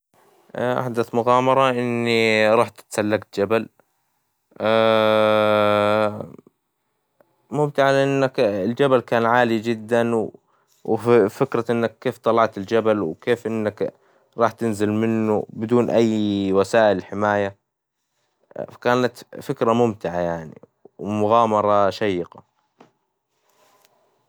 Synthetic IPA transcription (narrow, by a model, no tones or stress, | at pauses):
ʔa̰ħd̪aθmʊɣaːmɑɾˤɑʔɪnːiɾˤɑːħt̪ɪ̥t̪salːaɡt̪̚d͡ʒabal | a | mʊmt̪ɪʕalɪʔɪnːakɪld͡ʒabalkaːnʕaːlid͡ʒɪd̪ːanw | wfɪkɾaʔɪnːakːeːft̪ˤɑlɑʕt̪ɪld͡ʒabalwkeːfʔɪnːak | ɾˤɑːħt̪ɪnzɪlmɪnːṵbɪd̪uːnʔajːwasaːʔɪlħɪmaːja | kaːnat̪fɪkɾamʊmt̪ɪʕajaʕnḭ | wmʊɣaːmɑɾˤɑʃajːɪqa